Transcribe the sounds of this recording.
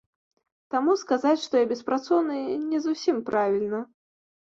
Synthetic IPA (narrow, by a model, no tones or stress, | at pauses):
t̪amuskazat͡sʲʂt̪ɔjabʲɛspɾat̪sɔwnɨnʲɛzusʲimpɾʔavʲilʲnɐ